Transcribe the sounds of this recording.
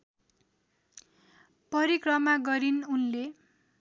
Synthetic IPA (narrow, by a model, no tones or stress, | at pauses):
pʌɾikrʌmaɡʌɾinunle